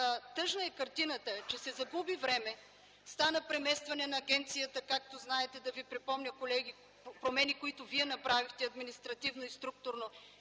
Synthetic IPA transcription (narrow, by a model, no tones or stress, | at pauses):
t̪ɤʒnəɛkɐɾt̪inət̪ət͡ʃɛsɛzɐɡubivɾɛmɛ | st̪anəpɾɛmɛst̪vɐnɛnɐːɡʲɛnt̪sijət̪əkakt̪oznaɛt̪ɛd̪ɐvipɾipɔmnʲəkolɛɡi | pɾomɛnikoit̪ʊviɛnɐpɾavixt̪ɛɐd̪minist̪ɾɐt̪ivnoist̪ɾuk̚t̪ʊɾno